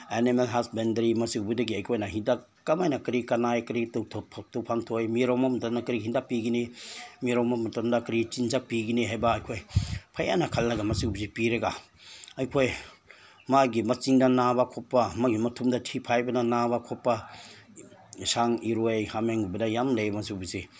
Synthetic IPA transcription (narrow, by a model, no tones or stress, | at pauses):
enimelɦasbendɐɾimɐsiwbudɐɡiɐjkʰojnaɦinda | kamajnakɾikɐnajkɾitɔwtʰɔp̚ʰtɔwpʰaŋtʰojmiɾawmamtanakɾiɦindapiɡinimiɾawmamatandakɾit͡ʃinzak̚piɡiniɦajbaːjkʰojpʰaja̰nakʰalnɐɡamɐsibuzipiɾeɡa | ɐjkʰoj | maɡimɐt͡ʃiŋdɐnabakʰɔpːamaɡimɐtʰumdɐtʰipʰajbɐnanabakʰɔpːa | saŋiɾojhameŋubɐdajamlejmɐsiwbuzi